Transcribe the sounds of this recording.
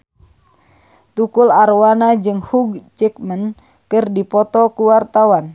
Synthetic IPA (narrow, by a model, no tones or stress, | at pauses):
t̪ukularwanad͡ʒɨŋhuɡ̚t͡ʃɛkmən | kɨrdipɔt̪ɔkuwart̪awan